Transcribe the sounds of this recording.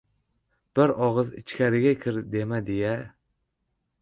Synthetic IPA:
b̥ɪɾɑʁɨzɪ̰t͡ʃʰkʲæɾɪɡʲɛkʲʰɪɾd̪emɛd̪ejɛ

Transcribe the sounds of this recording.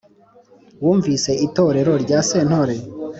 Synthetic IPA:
wuːɱvise̞ito̞ːɾe̞ɾo̞ɾɟaːseːn̥hoɾe

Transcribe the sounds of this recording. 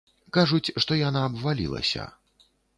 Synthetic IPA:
kaʐut͡sʲʂt̪ɔjanaːbvalʲḭlˠɐ̰sʲɐ̰

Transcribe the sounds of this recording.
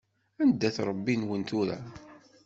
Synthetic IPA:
ænd̪ːæθɾˤəbːinwənt̪ʊɾæ̰

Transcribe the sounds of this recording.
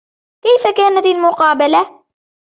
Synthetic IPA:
kajfakaːnat̪almʊqɑːbala

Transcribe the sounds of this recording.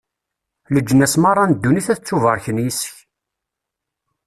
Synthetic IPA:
ləd͡ʒːənæsmɑrˤːɑnd̪ːuniθæθət͡sːuvəɾˤçənjisəç

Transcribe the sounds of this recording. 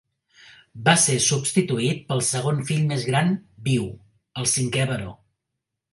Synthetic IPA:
basesubst̪it̪uit̪̚pəlˠsəɣ̞onfiʎmezɣɾanbiw | əlˠsiŋkɛβəɾo

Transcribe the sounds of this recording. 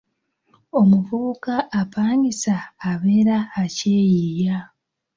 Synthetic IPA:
o̞muvuukaʔːpaːŋɡisaːβeɾaace̞jiːja

